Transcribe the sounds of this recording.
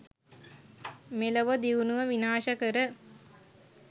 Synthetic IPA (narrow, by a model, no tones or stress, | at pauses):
meləʋəd̪iʋunuʋəʋinaːʃəkəɾə